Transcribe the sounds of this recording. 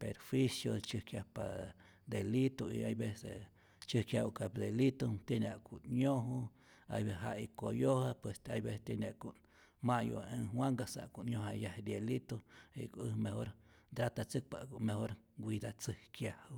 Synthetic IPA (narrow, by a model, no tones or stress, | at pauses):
peɾfwisjo̰t͡ʃɨhkjapa | d̪elit̪oḭajbese | t͡ʃɨhkjaukapd̪elit̪ot̪jenaʔkuʔɲõɦu | a̰jbeɦaʔikojohapwest̪ajbest̪jenʲaʔkuʔn | maʔjo̰ẽɦwaŋɡasa̰ʔkuʔɲjõhajahd̪jelit̪oḭkʷɨmehoɾ | d̪ɾat̪at͡sɨk̚pakumehoɾɡʷid̪at͡sɨhkjahu